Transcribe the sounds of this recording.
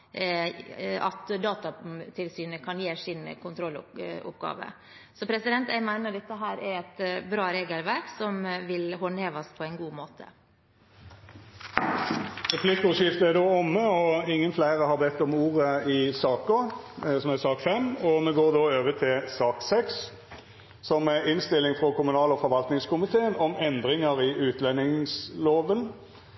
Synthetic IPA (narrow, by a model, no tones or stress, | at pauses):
ɑ̰t̪d̪ɑːt̪ɑt̪ʰɪlsyːnəkʰɑnjeːsɪnkʰʊnt̪ʰɾɔl̰ʊ̰pɡɑ̰ːʋə̰ | sɔpʰɾɛsɪd̪ɛnt̪jæɪmæɪnəɾd̪ɛt̪ːəɦæːɾæɾɛt̪bɾɑːɾeːɡəlʋæɾksɔmʋɪlɦɔnheːʋɑspʰɔɛɪnɡuːmoːt̪ʰə̰ | ʁɛflɪkːəɔʂɪft̪əæd̪oːɔmːəɔɪŋːənflæɪʁəhɑbɛt̪ːɔmuːʁəɪsɑːkəsɔmɛsɑːkfɛmɔmɛɡoːʁd̪oːøːʋət̪ʰɪlsɑːksɛks | sɔmɛɪnst̪ɪlːɪŋfʁɔkʰʊmʉnɑːlɔfɔɾʋɑlt̪nɪŋskʊmɪt̪ʰeːənɔmɛnd̪ʁɪŋəʁɪʔʉːt̪lɛnɪŋsloːʋən